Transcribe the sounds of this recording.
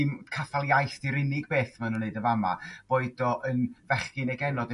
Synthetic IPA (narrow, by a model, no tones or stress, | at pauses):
ɪmkʰaθalˠjajθdiɾɪnɪɡbeːθmanuneɨdəvama̰b̥oːɨdɔʔənvɛχkɨnɛɡɛnɔd